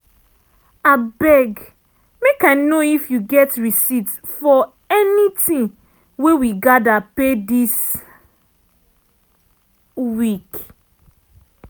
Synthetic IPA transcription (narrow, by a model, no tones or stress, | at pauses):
abɛɡ | mekaɪnoifjuɡɛtɹisit | fɔ | ɛnitĩn | wewiɡadapedis | wik